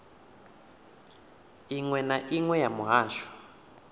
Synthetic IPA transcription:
iŋwɛnaʔiŋwɛjamuɦaːʃwḁ

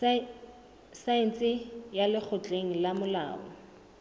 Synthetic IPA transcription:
saɪnt͡sʼɪjalɪk͡xʰʊt͡ɬʼeŋ̩lamʊla̰ːɔ̰

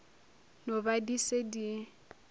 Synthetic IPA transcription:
nobadisedi

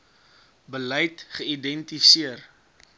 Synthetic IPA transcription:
bələjtχəidɛntisiər

